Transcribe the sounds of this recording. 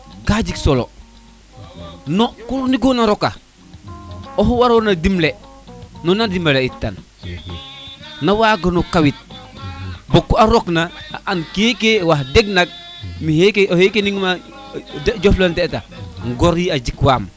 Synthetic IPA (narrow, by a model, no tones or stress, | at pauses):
kaːɟiksolo̰ | nokuluniɡonaɾoka | oɦwaɾonadimle | nonandimaleitːa̰n | nawaːɡonokawit̚ | bokːuaɾoknaaʔankekewahdeɡnak̚ | mihekeohekeniŋma | dd͡ʒoflanteta̰ŋɡɔɾjiad͡ʒikwaːm